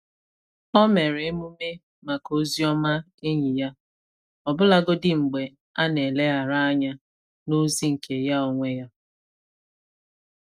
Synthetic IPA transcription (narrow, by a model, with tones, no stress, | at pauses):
ɔ˦me˨ɾe˨˦mu˦me˦ | ma˨ko˦zi˦ɔ˦ma˦ | e˦ɲi˨ja˦ | ɔ˨bʊ˦la˦ɡʊ˦dɪ˦ŋ͡m̩˨ɡ͡be˨ | a˦ne˨le˦a˨ɾa˦a˦ɲa˦ | nu˦zi˦ŋ̩˨kʰe˨ja˦ɔ˨ŋʷe˦ja˦